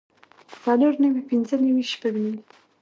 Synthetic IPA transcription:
t͡saloɾnawipinzənawiʃpaɡmil

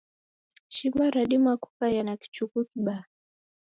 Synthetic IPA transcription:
ʃiɓaɾaɗimaku̥kajanaki̥t͡ʃukukiɓa

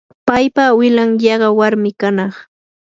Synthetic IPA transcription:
pajpawɪlaŋjɑɢɑwaɾmɪkanɑχ

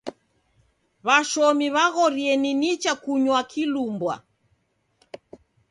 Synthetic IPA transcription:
βaʃɔmiβaɣɔɾiɛninit͡ʃakuɲwakʰilumbwa̰

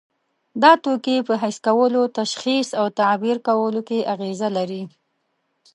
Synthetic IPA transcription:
d̪ɑt̪okepəɦajskawəlot̪aʃxisawt̪abiɾkawəlokeʔaɣezalaɾi

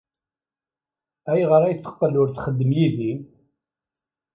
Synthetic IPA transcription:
æjʁəɾæjθə̥qːlːʊɾθχəd̪ːəmjiði

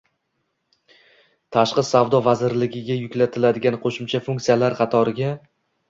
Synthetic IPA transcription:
t̪ʰaʃqɨsavd̪ɒvazɪɾlɪɡʲɪɡʲajʊkʲlat̪ʰɪlad̪ɪɡʲanqʰoʃʊmt͡ʃʰafʊŋʲkt̪sijalaɾqʰɑt̪ʰɒɾɪɡʲa

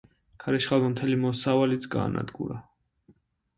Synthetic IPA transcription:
kʰaɾɛʃχamɔmt̪ʰɛlimɔsavalit̪sɡa̰ːna̰d̪ɡṵɾa

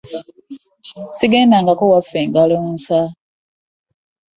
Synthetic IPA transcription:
siɡeːndaŋɡakowafːeːŋɡaloːnsa

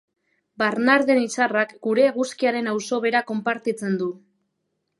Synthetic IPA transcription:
baɾnaɾðenisarakɡuɾe̞ːɣuskiaɾe̞nawso̞βe̞ɾako̞mpaɾt̪it͡se̞nd̪u

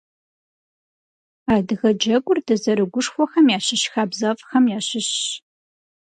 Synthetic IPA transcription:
aːdɨɣɐd͡ʒɐɡʷʊrdɐzɐɾɨɡʷʊʂxʷɔxɐmjaːɕɪʃxaːbzɐfʼxɐmjaːɕɪɕ

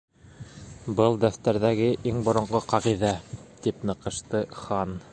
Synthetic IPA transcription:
bɤlˠd̪æft̪æɾðæɡɘʔiŋbŏɾŏɴɢɤqɑʁiðæt̪ipnɤ̆qɤ̆ʃt̪ɤχɑn

